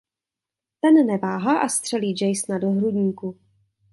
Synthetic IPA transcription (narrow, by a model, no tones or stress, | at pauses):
t̪ɛnnɛvaːɦaʔast̪r̥ɛliːd͡ʒɛjsnadoɦɾudɲiːku